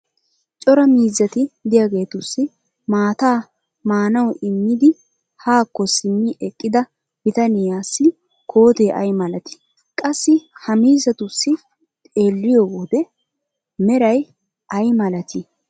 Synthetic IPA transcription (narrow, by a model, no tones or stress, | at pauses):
t͡ʃʼɔɾɐmiːzːɐt̪ɪd̪ɪjaɡe̞ːt̪ʊsːɪ | maːt̪aː | maːnɐwɪmːɪd̪ɪ | haːkːɔsɪmːɪʔɛkʼːɪd̪ɐ | bɪt̪ɐnɪjaːsːɪ | kʰo̞ːt̪eːʔɐjmɐlɐt̪ɪ̥ | kʼɐsːɪhɐmiːzɐt̪ʊsːɪ | t̪ʼe̞ːlːɪjɔɡoːd̪ɛ | mɛɾɐj | ʔɐjmɐlɐt̪ʰɪ